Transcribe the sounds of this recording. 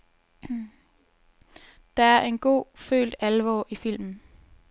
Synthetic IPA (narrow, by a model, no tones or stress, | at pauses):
d̥ɑ̈æɐʔe̝nɡ̥o̝̰ːfø̰ːld̥ælʋɒ̰ːʔifil̰mn̩